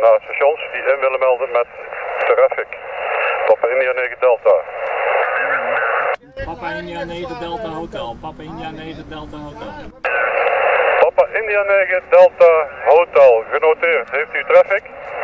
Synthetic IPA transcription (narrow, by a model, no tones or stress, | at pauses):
naːsəʃɔnsdiʔɪnʋɪləmɛlˠdənmɛtːrɛfɪkpɑpaɪndianeːɣədɛlˠta | pɑpaʔɪndianeɣədɛlˠtaɦowtɛlˠɣənowtɪːrtɦejftytrɛfɪk